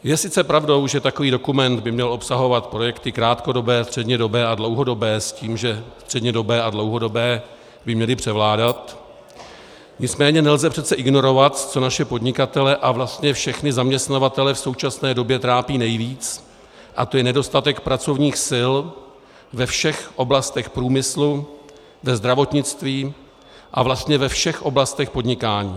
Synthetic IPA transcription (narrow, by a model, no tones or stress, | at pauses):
jɛsɪt͡sɛpɾavdo̞wʒɛt̪ako̞viːdo̞kumɛnd̪bɪmɲɛlʔo̞psaɦo̞vat̪pɾo̞jɛkt̪ɪkɾaːt̪ko̞do̞bɛːst̪r̥ɛdɲɛdo̞bɛːʔadlo̞wɦo̞do̞bɛːsciːmʒɛst̪r̝̥ɛdɲɛdo̞bɛːʔadlo̞wɦo̞do̞bɛː | bɪmɲɛlɪpr̝̥ɛvlaːdat̪ | ɲɪt͡smɛːɲɛnɛlzɛpr̥ɛt̪t͡sɛʔɪɡno̞ɾo̞vat̪t͡so̞naʃɛpo̞dɲɪkat̪ɛlɛʔavlast̪ɲɛfʃɛxnɪzamɲɛst̪navat̪ɛlɛfso̞wt͡ʃasnɛːdo̞bjɛt̪ɾaːpiːnɛjviːt͡s | ʔat̪o̞jɛnɛdo̞st̪at̪ɛkpɾat͡so̞vɲiːxsɪl | vɛfʃɛxʔo̞blast̪ɛxpɾuːmɪslu | vɛzd̪ɾavo̞t̪ɲɪt͡st̪viː | ʔavlast̪ɲɛvɛfʃɛxʔo̞blast̪ɛxpo̞dɲɪkaːɲiː